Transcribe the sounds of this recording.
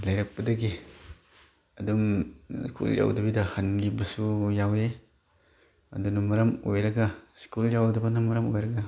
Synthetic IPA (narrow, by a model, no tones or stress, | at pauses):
lɐjɾɐk̚pɐdɐɡi | ɐdumskʰṵlja̰wdɐbidɐhɐnlibɐsujawe | ɐ̰dunɐmɐɾɐmojɾɐɡɐskuljawdɐbɐnɐmɐɾɐmojɾɐɡɐ